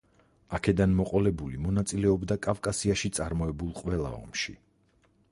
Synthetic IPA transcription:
akʰɛd̪anmɔqʼɔlɛbulimɔnat̪sʼilɛɔbd̪akʼafkʼasiaʃit̪sʼaɾmɔɛbulˠqʼwɛlˠa̰ɔ̰mʃi

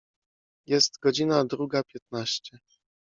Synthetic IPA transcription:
jɛst̪ɡɔd͡ʑinad̪ɾuɡapʲjɛt̪̚naɕt͡ɕɛ

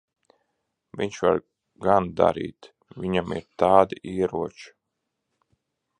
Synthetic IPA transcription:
viɲʃva̰ɾ | ɡand̪a̰ɾḭːt̪ | vʲiɲamḭɾt̪aːd̪aʔiːɛɾuɔt͡ʃ

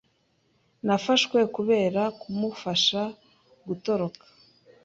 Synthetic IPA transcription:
nafaʃkwe̞kuβe̞ːɾakumufaʃa | ɡuto̞ɾo̞kḁ

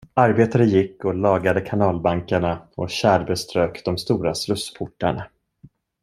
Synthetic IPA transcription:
aɾbeːt̪aɾəjɪkːɔlɑːɡad̪əkʰanɑːlbaŋkaɳaɔɕæːɾbɛst̪ɾøːkd̪ɔmst̪uːɾasɾɵspʰʊʈːaɳa

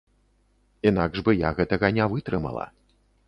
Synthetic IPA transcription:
inaɡʐbɨjaɣɛt̪ɐɣɐnʲɛvɨt̪ɾɨmɐ̰lˠɐ̰

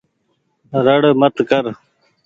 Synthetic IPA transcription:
ɾəɽmət̪kəɾ

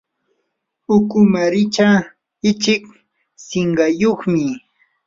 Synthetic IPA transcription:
ʊkʊmaɾɪt͡ʃa | ɪt͡ʃɪk | sɪɴɢɑjoχmɪ

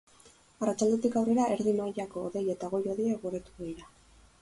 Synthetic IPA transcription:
arat͡ʃald̪et̪ikawre̞ɾaʔe̞ɾðimajako̞ːðe̞je̞t̪aɣ̞o̞jo̞ðejekɡoret̪uβeiɾa

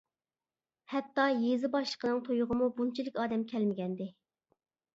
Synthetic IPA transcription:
hɛt̪ːɑjezɪbɑʃlˠə̥qʰənɨŋt̪ʰojʊʁəmubunt͡ʃʰilɪkʲɑːd̪ɛmkʲʰɛlmɪɡʲɛnd̪ɪ

